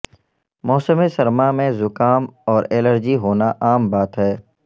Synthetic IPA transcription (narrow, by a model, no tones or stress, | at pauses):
mɔːsəmesɐɾmamẽzʊkaːmɔːɾeːləɾd͡ʒiɦoːnaʔaːmbaːt̪ɦɛː